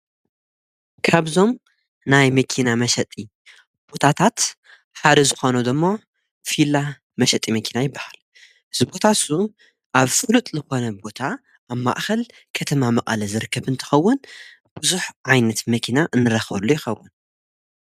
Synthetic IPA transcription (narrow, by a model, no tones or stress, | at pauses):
kʰaβzo̞m | najmɐkʰinamɐʃɐt̪ʼi | b̥o̞t̪ʰat̪ʰat̪ | ħad̪ɐzɨxo̞nud̪ɨmːo̞ | fila | mɐʃɐt̪ʼimɐkʰinajɪbːḁhal | ɨzɨbo̞t̪ʰasu | ʔaβfɨlut̪ʼzɨxo̞nɐbo̞t̪ʰaː | βma̰ʔxɐl | kʰɐt̪ʰɐmamɐʔʼɐlɐzɨɾɨkʰːɐβɨnt̪ʰɐ̥xɐwːʊn | b̥uzuħʕajnɐt̪mɐkʰinaʔɨnːɨɾɐxlːujɪxɐwːʊn